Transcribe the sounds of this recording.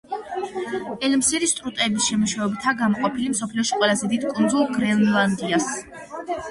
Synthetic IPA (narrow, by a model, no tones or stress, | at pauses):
ɛlmsiɾist̪ʼɾut̪ʼɛbisʃɛmuʃavɛbt̪ʰaɡamɔqʼɔpʰilimsɔpʰliɔʃiqʼwɛlˠazɛd̪id̪kʼund̪zulˠɡɾɛnlˠand̪ias